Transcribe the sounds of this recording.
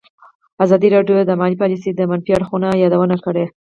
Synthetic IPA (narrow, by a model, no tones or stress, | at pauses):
azɑd̪iɾɑɖjod̪əmɑlipɑlisid̪əmanfiaɽxunajɑd̪awənakəɽe